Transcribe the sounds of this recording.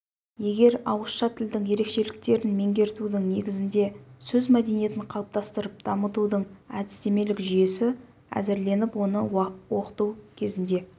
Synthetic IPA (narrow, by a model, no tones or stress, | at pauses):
je̞ɡʲe̞ɾɑwəsʃɑt̪ʰɪld̪ɪŋje̞ɾe̞kʃe̞lɪk̚t̪e̞ɾɪnme̞ŋɡʲe̞ɾt̪ud̪ɪŋne̞ɡʲɪzɪnd̪e̞sɵzmæd̪enije̞t̪ɪɴqʰɑwəp̚t̪ɑst̪əɾəp̚d̪̥ɑmət̪ud̪əɴæd̪ɪ̥st̪e̞me̞lɪkʒʏje̞sɪ | æ̰zɪɾle̞nɪpwo̞nəwo̞qə̥t̪uwkʲʰe̞zɪnd̪e̞